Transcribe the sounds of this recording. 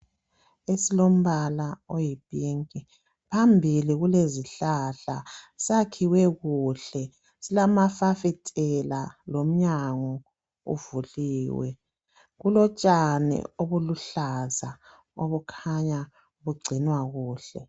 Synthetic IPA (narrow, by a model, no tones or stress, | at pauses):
esilom̩βalaojib̥ʼiŋkʼi | pʰambʱiliɣuleziɬaɬasakʰiwɛɣuːɬɛ | silamafafɛtʼɛlalom̩ɲaŋɔ | ṵvuliːwɛ̰ | ɣulɔt͡ʃʼanɛ̰oβuluɬaza | oβukʰaɲa | ɣuɡ͡ǀʱinwaɣuːɬɛ̰